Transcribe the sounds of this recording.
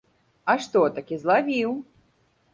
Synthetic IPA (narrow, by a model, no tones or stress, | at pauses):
ɐʂt̪ɔt̪akʲizlˠavʲiw